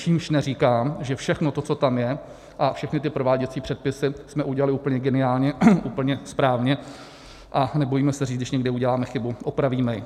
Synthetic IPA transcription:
t͡ʃiːmʃnɛriːkaːmʒɛfʃɛxnot̪ot͡so̞t̪amjɛ | ʔafʃɛxnɪt̪ɪpɾo̞vaːɟɛt͡siːpr̝̥ɛt̪̚pɪsɪsmɛʔuɟɛlalɪuːpəɲɛɡɛnɪaːlɲɛʔupl̩ɲɛspɾaːvɲɛ | ʔanɛbo̞jiːmɛsɛriːt͡sdɪʃɲɛɡdɪuɟɛlaːmɛxɪbuʔopɾaviːmɛjɪ

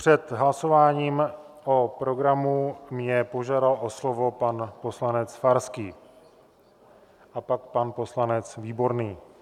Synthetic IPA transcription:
pr̥ɛt̪ɦlaso̞vaːɲiːm | ʔo̞pɾo̞ɡɾamumɲɛpo̞ʒaːdalʔo̞slo̞vo̞panpo̞slanɛt͡sfaɾskiː | ʔapak̚panpo̞slanɛt͡sviːbo̞ɾniː

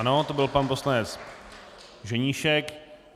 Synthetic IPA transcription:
no̞t̪o̞bɪlpanpo̞slanɛt͡s | ʒɛɲiʃɛk

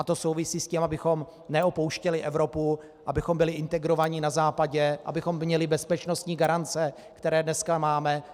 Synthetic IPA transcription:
at̪oso̞wvɪsiːscimʔabɪxo̞m | nɛopo̞wʃcɛlɪʔɛvɾo̞pu | ʔabɪxombɪlɪʔɪnt̪ɛɡɾo̞vaɲɪnazaːpaɟɛʔa̰bɪxo̞mmɲɛlɪbɛspɛt͡ʃno̞st̪ɲiːɡaɾant͡sɛ | kt̪ɛɾɛːdnɛskamaːmɛ

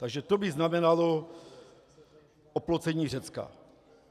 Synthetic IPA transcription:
t̪aɡʒɛt̪obɪznamɛnalo | ʔoplot͡sɛɲiːrɛt͡ska̰

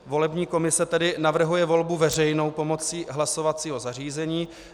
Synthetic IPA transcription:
vo̞lɛbɲiːkomɪsɛt̪ɛdɪnavr̩ɦujɛvo̞lbuvɛr̝ɛjno̞wpo̞mo̞t͡siːɦlaso̞vat͡siːɦo̞zar̝iːzɛɲiː

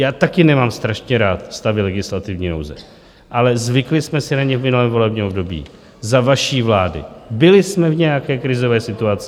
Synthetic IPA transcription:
jaːt̪akɪnɛmaːmst̪ɾaʃɲɛɾaːt̪st̪avɪlɛɡɪslat̪ɪvɲiːno̰wzɛ̰ | ʔalɛzvɪklɪsmɛsɪnaɲɛvmɪnulɛːmvo̞lɛbɲɛːmobdo̞bḭː | zavaʃiːvlaːdɪ̰bɪlɪsmɛvɲɛjakɛːkɾɪzo̞vɛːsɪt̪uat͡sɪ

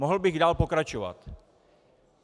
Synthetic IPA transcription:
moɦl̩bɪɣdaːlpo̞kɾat͡ʃova̰t̪

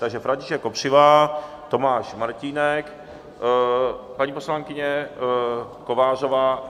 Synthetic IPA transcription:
t̪aɡʒɛfɾaɲcɪʃɛkːopr̝̥ɪvaː | t̪o̞maːʃmaɾciːnɛk | paɲipo̞slaŋkɪɲɛ | kovaːr̝ovaː

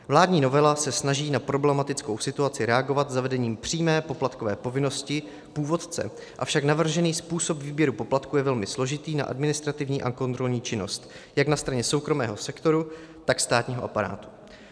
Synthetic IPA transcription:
vlaːdɲiːno̞vɛlasɛsnaʒiːnapɾo̞blɛmat̪ɪt͡sko̞wsɪt̪uat͡sɪɾɛaɡo̞vat̪zavɛdɛɲiːmpr̝̥iːmɛːpo̞plat̪ko̞vɛ̰ːpo̞vɪno̞scɪ | puːvo̞t̪t͡sɛ̰ | ʔafʃaknavr̩ʒɛniːspuːso̞pviːbjɛɾupo̞plat̪kujɛvɛlmɪslo̞ʒɪt̪iːna̰ʔa̰dmɪnɪst̪ɾat̪ɪvɲiːʔako̞nt̪ɾo̞lɲiːt͡ʃɪno̞̰st̪ | jaknast̪ɾaɲɛso̞wkɾo̞mɛ̰ːɦo̞sɛkt̪o̞ɾu | t̪akst̪aːt̪ɲiːɦo̞ʔapaɾa̰ːt̪u̥

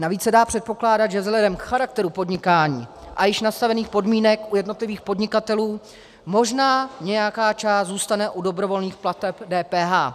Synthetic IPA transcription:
naviːt͡ssɛdaːpr̝̥ɛt̪̚po̞klaːdat̪ʒɛvzɦlɛdɛmkxaɾak̚t̪ɛɾupo̞dɲɪkaːɲḭː | ʔajɪʃnast̪avɛniːxpo̞dmiːnɛkʔujɛdno̞t̪lɪviːxpo̞dɲɪkat̪ɛluː | mo̞ʒnaːɲɛjakaːt͡ʃaːszuːst̪anɛʔudo̞bɾo̞vo̞lniːxplat̪ɛpdɛːpɛːɦaː

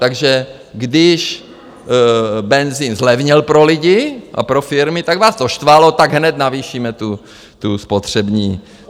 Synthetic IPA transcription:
t̪aɡʒɛ | ɡdɪʃ | bɛnziːnzlɛvɲɛlpɾolɪɟɪʔa̰pɾofɪɾmɪt̪aɡvaːst̪oʃt̪valot̪aɡɦnɛt̪naviːʃiːmɛt̪u | t̪uspot̪r̝̥ɛbɲiː

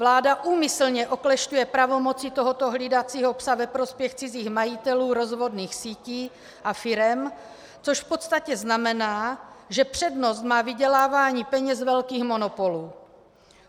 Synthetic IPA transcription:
vlaːdaʔuːmɪsl̩ɲɛʔoklɛʃcujɛpɾavo̞mo̞t͡sɪt̪oɦot̪oɦlidat͡siːɦo̞psavɛpɾo̞spjɛxt͡sɪziːxmajɪt̪ɛluːɾo̞zvo̞dniːxsiːciː | ʔafɪɾɛm | t͡soʃfpo̞t̪st̪acɛznamɛnaːʒɛpr̝̥ɛdnost̪maːvɪɟɛlaːvaːɲiːpɛɲɛzvɛlkiːxmo̞nopoluː

